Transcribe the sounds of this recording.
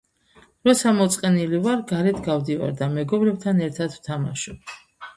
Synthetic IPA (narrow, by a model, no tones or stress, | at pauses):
ɾɔsamɔt̪sʼqʼɛnilivaɾɡaɾɛt̪ʰɡavd̪iva̰ɾd̪amɛɡɔbɾɛb̚t̪ʰanɛɾt̪ʰat̪ʰv̥t̪ʰama̰ʃɔ